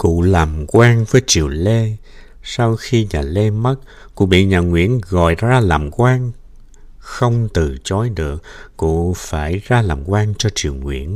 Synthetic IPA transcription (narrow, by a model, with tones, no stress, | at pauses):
kṵ˧˨laː˨˩mkwaː˧ŋvəː˨˦jt͡ɕi˨˩əwle˧ | sa˧wxi˧ɲaː˨˩le˧mə˦˥t̚ | kṵ˧˥ɓḭ˧˨ɲaː˨˩ŋwḭ˧˥ənɣɔ̰˧˨jzaː˧laː˨˩mkwaː˧ŋ | xə˧wŋ͡mt̪ɨ˨˩t͡ɕɔ˨˦jɗɨ˨˩ək̚ːṵ˧˨faː˧˩jzaː˧laː˨˩mkwaː˧ŋt͡ɕɔ˧t͡ɕi˨˩əwŋwḭ˧˥˨ən